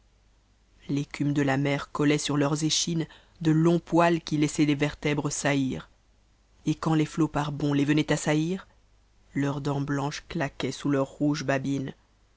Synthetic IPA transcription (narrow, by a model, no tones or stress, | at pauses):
lekʲymd̪əlamɛʁkɔlɛsyʁlœʁzeʃin | d̪əlɔ̃pwalkʲilɛsɛd̪evɛʁt̪ɛbʁəsaiʁ | ekɑ̃leflopaʁbɔ̃levənɛt̪asaiʁ | lœʁd̪ɑ̃blɑ̃ʃklakʲɛsulœʁːuʒbabin